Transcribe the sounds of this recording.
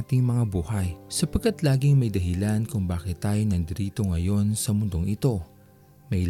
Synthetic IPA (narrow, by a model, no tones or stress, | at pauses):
t̪ɪŋmɐŋabuːhɐjsɐpɐɡ̚kːat̪laːɡɪŋmɐjd̪ɐɦɪlankʊŋbaːkɪt̪ːaːjo̞nɐŋd̪ɪɾiːt̪o̞ŋɐjo̞nsɐmʊnd̪o̞ŋʔɪt̪o̞ | mɐj